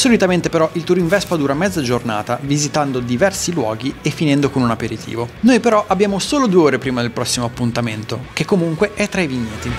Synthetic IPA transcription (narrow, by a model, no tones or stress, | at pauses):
solit̪ament̪epeɾɔʔilt̪uɾiɱvɛspad̪uːɾamɛd̪zːad͡ʒorna̰ːt̪avizit̪and̪od̪ivɛrsilwɔ̰ːɡiefːinɛnd̪okonunapeɾit̪ʰḭːvonojpeɾɔʔabːjaːmosoːlod̪ueoːɾepɾiːmad̪elpɾɔsːimoapːunt̪ament̪ok̟ekːomuŋkweʔɛt̪ːɾaiviɲːeːt̪i